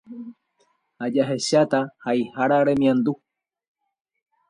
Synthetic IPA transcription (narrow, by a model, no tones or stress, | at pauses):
had͡ʒaɦeʃat̪ahaihaɾaɾemĩãnd̪u